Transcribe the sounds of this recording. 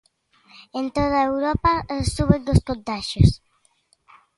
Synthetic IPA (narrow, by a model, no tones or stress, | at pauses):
ẽnt̪oðaewɾɔpasuβed̪oskont̪aʃos